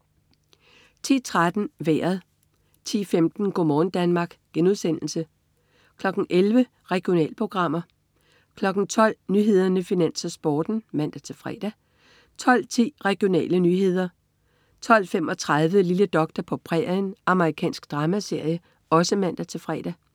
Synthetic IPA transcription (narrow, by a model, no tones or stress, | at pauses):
t͡sʰḭːt͡sʰʁad̥n̩ʋḛːɐð̩ˠ | t͡sʰḭːfemd̥n̩ɡ̥o̝̰mɒːn̩d̥ænmɑ̈ːɡ̥ɡ̥enuðˠsen̰l̩sə | kʰlɒ̽ɡ̥n̩ʔelʋə | ʁɛɡ̥jo̝nɛ̰ːləpʰʁo̝ɡ̥ʁɑ̈m̰ɐ | kʰlɒ̽ɡ̥n̩t͡sʰɒ̽l̰nyɦe̝ð̞ˠɐnəfinæn̰sɐsb̥ɒːd̥n̩mæn̰d̥æt͡sʰe̝fʁɛ̰ːd̥æ | t͡sʰɒ̽l̰t͡sʰḭːʁɛɡ̥jo̝nɛ̰ːlənyɦe̝ð̞̰ˠɐ | t͡sʰɒ̽l̰fem̰ɒ̽t͡sʰʁað̞ˠʋəliləd̥ɒ̽ɡ̥̚d̥æpʰɒ̽pʰʁɛ̰nʔɑ̈məʁikʰɛ̰ːnsɡ̥d̥ʁɑ̈ːmæse̝ɐ̰jə | ɒ̽səmæn̰d̥æt͡sʰe̝fʁɛ̰ːd̥æ